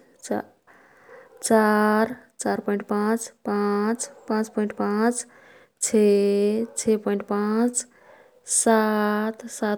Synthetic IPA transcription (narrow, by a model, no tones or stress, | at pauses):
t͡ʃaɾt͡ʃaɾpɔj̃ɳʈpãt͡ʃpãt͡ʃpãt͡ʃpɔiɳʈ̚pãt͡ʃ | t͡ʃʰe | t͡ʃʰepɔiɳʈ̚pãt͡ʃ | sat̪sa